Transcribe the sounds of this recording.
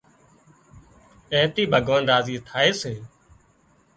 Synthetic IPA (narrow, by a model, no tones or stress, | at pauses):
eːt̪iːbʱəɡʱoːnɾaːziːt̪ʰaːeːseː